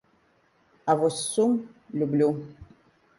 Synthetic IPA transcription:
avosumlublʲu

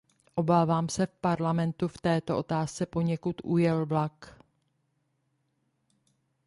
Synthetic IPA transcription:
ʔo̞baːvaːmsɛfpaɾlamɛnt̪uft̪ɛːt̪oʔot̪aːst͡sɛpo̞ɲɛkut̪ʔujɛlblak

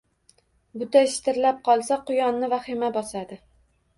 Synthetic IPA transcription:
bʊt̪ʰaʃt̪ʰɪɾlap̚qʰɒlˠsaqʊjɒnːɪvaχɪmabɒsad̪ɪ

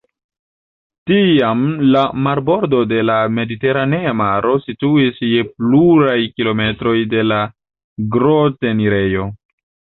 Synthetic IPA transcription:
tiamlamaɾbo̞ɾdo̞de̞lame̞dite̞ɾane̞amaɾʔo̞situisje̞pluɾajkilo̞me̞tɾo̞jde̞la | ɡɾote̞niɾe̞jo̞

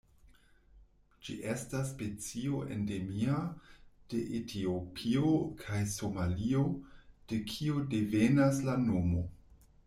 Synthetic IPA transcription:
d͡ʒḭʔe̞stas̬ːpe̞t͡sio̞ʔḛnde̞miad̥e̞ʔetʰiopʰiokʰajso̞malio̞d̥e̞kʰio̞de̞venaslanomo̞

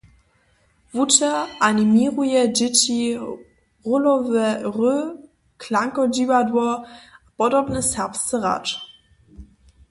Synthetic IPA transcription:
vutɛʔanʲimʲiʁujɛd͡ʑɪt͡ɕi | ʁulɔvɛʁø | klaŋkɔd͡ʑiwadwɔapɔdɔbnɛsɛʁpst̪t͡səʁa̰t͡ʂ

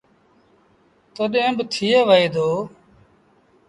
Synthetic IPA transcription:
t̪oːɗẽːbt̪ʰiːeːʋəeːd̪oː

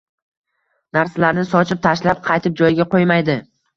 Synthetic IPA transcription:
naɾsalaɾnɪsɒt͡ʃʰɪp̚t̪ʰaʃlap̚qʰɑjt̪ʰɪp̚d͡ʒɒjɪɡʲaqʰojmajd̪ɪ

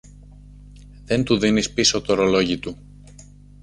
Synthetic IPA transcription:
ðe̞nt̪uðinispiso̞t̪oɾo̞lo̞ʝit̪u

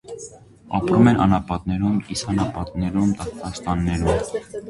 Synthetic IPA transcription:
ɑpɾumɛnʔɑ̰nɑpɑt̪nɛɾumisɑnɑpɑt̪nɛɾumt̪ɑt̪kɑst̪ɑnːɛɾum

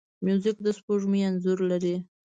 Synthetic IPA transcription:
mjuzɪk̚d̪əspoʐmujanzʊɾlaɾi

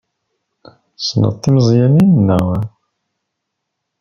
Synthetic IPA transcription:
snə̰t̪ˤːimzˤjæninnːæw

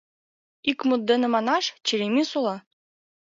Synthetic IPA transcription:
ikmut̪̚d̪enɤ̆mɑnɑʃt͡ɕeɾemisolˠɑ

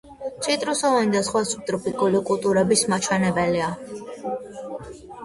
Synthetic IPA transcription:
t͡ʃʰʼit̪ʼɾɔsɔvanid̪asχwasu̥p̚t̪ʼɾɔpʰikʼulikʼulˠt̪ʼuɾɛbismat͡ʃʰwɛnɛbɛlia

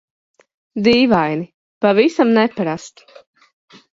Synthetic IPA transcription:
d̪iːvajni | pavisamnɛpaɾast̪u̥

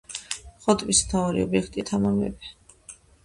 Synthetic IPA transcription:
χɔt̪ʼvist̪ʰaɔɾḭɔbiɛkʰt̪ʼit̪ʰamammɛ̰bɛ

